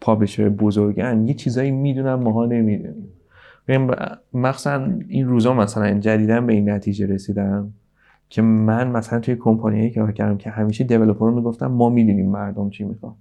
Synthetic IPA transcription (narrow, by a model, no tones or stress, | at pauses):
pʰɒbleʃejebozoɾɡænjet͡ʃʰiːzɒːjimiːd̪uːnæmːɒːɦɒːne̞mid̪ṵnim | beɟæm̰mæxsæninruːzɒːmæsælænd͡ʒæd̪iːd̪ænbe̞inːæt̪ʰiːd͡ʒe̞ɾe̞siːd̪æn | cʰe̞mænmæsælænt̪ʰujekʰo̞mpʰɒːnijɒːjikʰːcʰæɾd̪æmcʰe̞hæmiːʃed̪e̞velopʰoɾomiɡo̞ft̪æ̰mːɒːmiːd̪uniːmːæɾd̪omt͡ʃʰimixɒ̰m